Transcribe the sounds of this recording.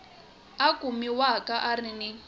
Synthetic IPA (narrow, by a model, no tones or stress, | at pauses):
akʼumiwakaʔarinɪ